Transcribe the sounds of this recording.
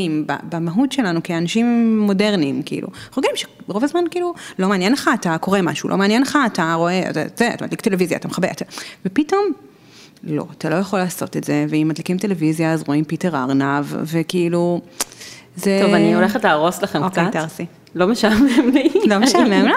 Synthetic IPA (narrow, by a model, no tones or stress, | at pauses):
imba̰bamaɦutʃe̞lanukeanaʃimːo̞de̞ʁnimkiʔḭlʔṵχoɡimʃe̥ | ʁovazmankiiːlulo̞meanjenleχaːtako̞ʁema̰ʃṵlo̰meanjenleχaːtaʁo̞ea̰ta̰zeatamad̪liktelevizja̰ːt̪ameχabeʔatavepito̞m | lo̞̰at̪alo̞jaχo̞laːso̞tetze̞veimːadlikimt̪e̞levizjaazʁo̞impiteʁa̰ʁnavvekiilu | zet̪ovanioleχetleʁoslaχemokejtaʁsi | lomeʃamemlilomeʃameml